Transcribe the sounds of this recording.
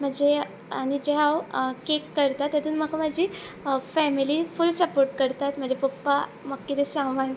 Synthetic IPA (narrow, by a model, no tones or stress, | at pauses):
m̤əd͡ʑe | aɽ̃id͡ʑeɦawkekːəɾt̪at̪ːjat̪uːnməkaməd͡ʑifɛmilifulsəpoɾʈ̚kəɾt̪at̪m̤əɳd͡ʑepopːaməɡkːit̪esãŋʋan